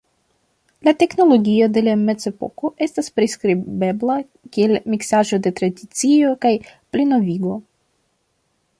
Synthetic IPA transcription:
late̞kno̞lo̞ɡio̞de̞lame̞t͡se̞po̞̰ko̞ʔe̞staspɾiskɾibe̞bla | kie̞lmiksaʒo̞de̞tɾadit͡sio̞kajplino̞viɡo̞

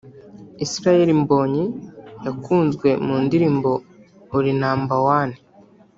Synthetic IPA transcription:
isiɾaje̞ɾimbo̞ːɲijakuːnzɡwe̞muːndiɾiːmbo̞ | uɾinaːmbawaːni

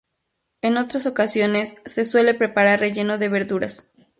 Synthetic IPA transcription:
eno̞t̪ɾaso̞kasjo̞ne̞sːe̞swe̞le̞pɾe̞paɾarre̞ʝe̞no̞ðe̞βe̞ɾðuɾas

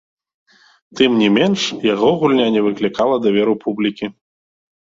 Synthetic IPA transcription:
t̪ɨmnʲimʲɛnʂjaɣɔɣulʲnʲanʲɛvɨklʲikalˠɐd̪avʲɛɾɨpʰublʲikʲi

